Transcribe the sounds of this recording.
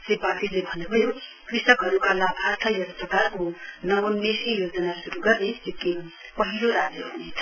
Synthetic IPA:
tebapilebʱʌnːubʱʌjo | krisʌkɦʌɾukalapʰaɾt̪ʰʌjʌt̪prʌkarkonʌʋonesijod͡zʌnasuɾuɡʌrnelekinpʌɦiloɾad͡zjʌɦunet͡sʰʌ̥

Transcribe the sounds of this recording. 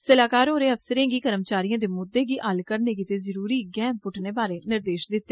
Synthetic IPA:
səlaːkaːɾoːɾeːəfsəɾẽːɡiːkəɾəmt͡ʃaːɾijãːd̪eːmʊd̪ːeːɡiːʔəlkəɾneːɡit̪eːzəɾuːɾiːɡɛːmpʊʈʰneːbaːɾeːnɪɾd̪eːʃd̪ɪt̪ːeː

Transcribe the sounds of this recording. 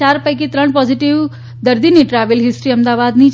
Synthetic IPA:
aɾpəjk̬it̪ɾəɳpɔziʈiʋ | d̪əɾd̪iniʈɾaʋəlɦisʈɾiːɐmd̪aʋad̪ni

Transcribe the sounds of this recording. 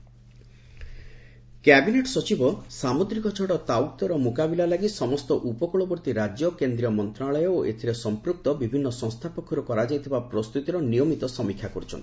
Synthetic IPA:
kɛbineʈɔsɔt͡ʃibɔsamud̪ɾikɔt͡ʃʰɔɽɔt̪awkt̪ɔɾɔmukabilalaɡisɔmɔst̪ɔʔupɔkɔɭɔbɔɾt̪iɾad͡ʒjɔkend̪ɾijɔmɔnt̪ɾaɭɔjɔoʔet̪ʰiɾesɔmpɾuk̚t̪ɔbibʱinːɔsɔ̃ŋst̪ʰapɔkʰɔɾɔkɔɾad͡ʒajt̪ʰibapɾɔst̪ut̪iɾɔnijɔmit̪ɔsɔmikʰjakɔɾut͡ʃʰɔ̰nt̪i̥

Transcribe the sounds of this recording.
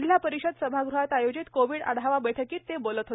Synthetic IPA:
ljapəɾiɕəd̪səbʱaɡɾuɦat̪ajod͡ʑit̪koʋiːɽə̰ɽ̤aʋabəʈʰəkiːt̪ːebolət̪ɦot̪

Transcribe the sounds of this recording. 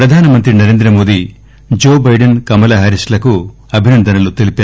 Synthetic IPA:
pɾɐd̪ʱaːnɐmɐnt̪ɾinɐɾe̞ːnd̪ɾɐmo̞ːd̪i | d͡ʒoːbɐjɖɐnkɐmɐlɐɦɐɾisʈlɐku | ɐbʱinɐnd̪ɐnɐlut̪elipaː

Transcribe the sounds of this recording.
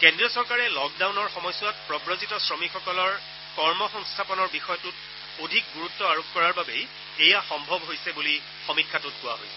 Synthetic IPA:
kɛndɹiɔsɔɹkaɹɛlɔk̚dawnɔɹxɔmɔjsʊwat̚pɹɔbɹozitɔsɹɔmixɔkɔlɔɹ | kɔɹmɔxɔŋstʰapɔnɔɹbixɔjɔtʊt | odʱik̚ɡuɹutːɔaɹokkɔɹaɹbabej | ejaxɔmbʱɔbɦojsɛbuli | xomikʰːatut̚ɡʊwa̰ɦo̰jsɛ̥

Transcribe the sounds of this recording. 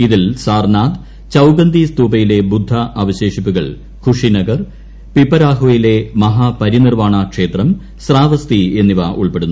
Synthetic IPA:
iðilsaːrnaːd̪ | t͡ɕɐwɡɐnd̪ist̪uːbɐjile̞bud̪ʱːɐʔɐʋɐɕe̞ːʂipːuɣɐɭ | kʰuʂinɐɡɐr | pipːɐɾaːɦojile̞mɐɦapɐɾinirmaːɳɐkʂe̞ːt̪rɐm | sraːʋɐst̪ie̞nːiʋɐʔuɭpe̞ɽunːu

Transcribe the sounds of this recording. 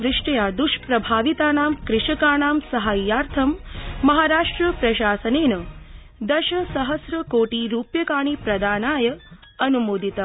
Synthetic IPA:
ʋɾɪʂʈɐjaːd̪uʃpɾɐbʱaːʋit̪aːnaːmkɾɪʂɐkaːɳaːmsɐɦaːjːaːɾt̪ʰɐmːɐɦaːɾaːʂʈɾɐpɾɐʃaːsɐneːnɐ | d̪ɐʃɐsɐɦɐsɾɐkoːʈiɾuːpjɐkaːɳipɾɐd̪aːnaːjɐ | ɐnumoːd̪ʱit̪ɐ

